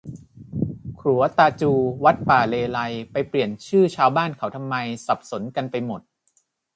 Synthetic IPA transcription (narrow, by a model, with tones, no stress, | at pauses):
kʰɾu˩˦ɐt̪aː˧t͡ɕuː˧wa˦˥t̪̚paː˨˩leː˧la˧jpa˧jpli˨˩ənt͡ɕʰɯː˥˩t͡ɕʰaː˧wbaː˥˩nkʰa˩˦wt̪ʰa˧mːa˧jsa˨˩p̚so˩˦nka˧npa˧jmo˨˩t̪̚